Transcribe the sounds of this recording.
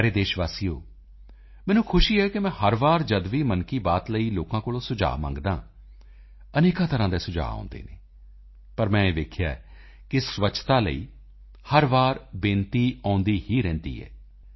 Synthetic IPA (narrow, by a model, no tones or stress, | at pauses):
ɛɾeːd̪eːʃʋaːsiːo̰ː | mɛ̃ːnũːkʰʊʃiːɛːkɪmɛ̃ːhəɾʋaːɾd͡ʒəd̪ʋiːmənkiːbaːt̪ləiːloːkãːkoːlõːsʊd͡ʒa̰ːmã̰ːŋɡd̪ã̰ː | əneːkãːt̪əɾãːd̪eːsʊd͡ʒa̰ːõ̰ːnd̪ḛːnḛː | pəɾmɛ̃ːeːʋeːkʰjaː | kɪsʋəːt͡ʃʰt̪aːlə̰ḭː | həɾʋaːɾbẽːnt̪iːãːnd̪iːhiːɾɛ̃ːnd̪ḭːɛ̰ː